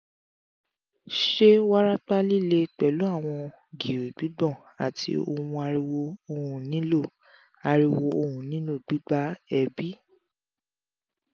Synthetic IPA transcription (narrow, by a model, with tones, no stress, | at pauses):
ʃe˦wa˦ɾa˦k͡pa˦li˦˨le˧k͡pɛ˨lu˨˦a˦˨w̃ɔ̃˧ | ɡi˨o˨ɡ͡b̥i˨˦ɡ͡bɔ̃˦˨ | a˨tʰḭ˧o˧ũ˧a˧ɾi˧wo˧o˧hũ˨nĩ˨˦lo˦˨ | a˧ɾi˧wo˧o˧hũ˨nĩ˨˦lo˦˨ɡ͡b̥i˨˦ɡ͡ba˦ɛ˧bi˦